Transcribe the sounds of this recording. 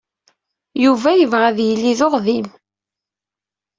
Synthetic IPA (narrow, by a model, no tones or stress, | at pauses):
juvæjəvʁæðjəlːiðoʁðim